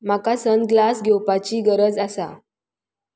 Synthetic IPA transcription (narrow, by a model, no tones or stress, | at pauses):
m̤akasənɡlasɡʱewpat͡ɕiːɡəɾəd͡zasa̰